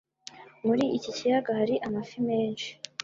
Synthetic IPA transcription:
muɾiʔicicijaɡahaɾiʔamafime̞ːnʃi̥

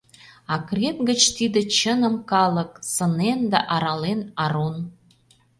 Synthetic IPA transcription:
ɑkrʲet̪ɡə̆t͡ɕt̪id̪ə̆t͡ɕənə̆mkɑlˠɤ̆ksɤ̆nend̪æ̰ʔɑɾɑlenɑɾun

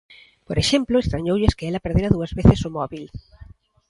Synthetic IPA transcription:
poɾeʃemplʊest̪ɾaɲowʎɪskeelɐpeɾð̞eɾɐðuɐzβeθɪsʊmɔβil

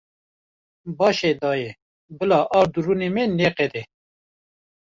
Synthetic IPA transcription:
bɑːʃeːd̪ɑːje | bɨlɑːʔɑːɾd̪uɾunemeneːqɛd̪ɛ

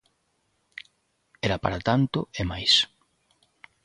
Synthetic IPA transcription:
ɛɾapa̰ɾat̪ant̪ʊemajs

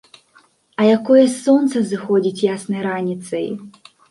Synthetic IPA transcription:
ɐjakɔjɐsɔnt̪sɐzɨxɔd͡zʲit͡sʲjasnɐjɾanʲit̪sɐj

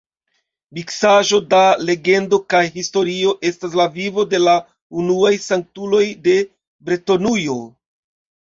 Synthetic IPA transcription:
miksaʒo̞dale̞ɡe̞ndo̞kajɦisto̞ɾio̞ʔe̞stas̬lavivo̞de̞la | unuajsaŋk̚tulo̞jde̞ | bɾeto̞nujo̞

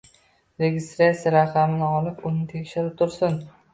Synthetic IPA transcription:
ɾeɡʲɪst̪ɾat̪siaɾaqʰamɪnɪɒlˠɪpʊnɪt̪ʰe̞kʲʃɪɾɪp̚t̪ʰʊɾsʊn

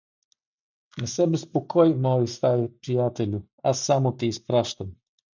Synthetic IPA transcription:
nasɛbɛspɔkʰɔjmɔːjist̪ajɛpɾijaːt̪ɛlu | asamɔt̪iːspɾaʃt̪am

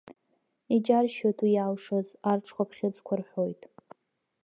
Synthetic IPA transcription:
id͡ʒarʃotʰwijaːlʂozarʈ͡ʂʰχʷapʰχʲɪt͡sʼkʷʰarħʷojtʼ

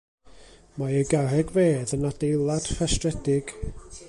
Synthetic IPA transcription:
maəɡarɛɡveːðənad̥ejlˠad̥fastrɛdɪɡ̥

